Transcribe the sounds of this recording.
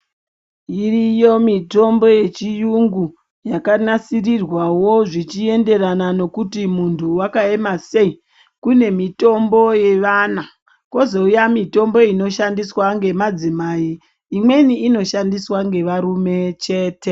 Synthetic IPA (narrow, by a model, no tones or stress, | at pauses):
irijo̞mito̞mbo̞je̞t͡ʃijuŋɡu | jakanasirirwawo̞ʐit͡ʃie̞nde̞ranano̞kutimuntʰuwakae̞mase̞i | kune̞mito̞mbo̞je̞ʋana | ko̞zoujamito̞mbo̞ino̞ʃandiswaŋɡe̞mad͡zimaiː | mwe̞niːno̞ʃandiswaŋɡe̞ʋaɾume̞t͡ʃe̞ːte̞